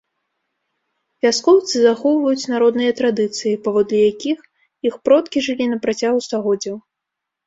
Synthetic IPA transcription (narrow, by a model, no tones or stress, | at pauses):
vʲaskɔwt̪sɨzaxɔwvɐjut͡sʲnaɾɔd̪nɨjɐt̪ɾad̪ɨt̪sɨjipavɔd̪lʲijakʲix | ixpɾɔt̪kʲiʐɨlʲinɐpɾat͡sʲaɣust̪aɣɔd͡zʲɐw